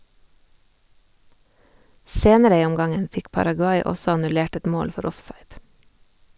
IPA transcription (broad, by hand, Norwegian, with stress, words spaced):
ˈseːnəɾə ˈiː ˈɔmˌɡɑŋən ˈfɪk pɑɾɑɡʉˈɑɪ ˈɔsɔ ɑnʉˈleːʈ ˈɛt ˈmoːl ˈfɔɾ ˈɔfsɑɪd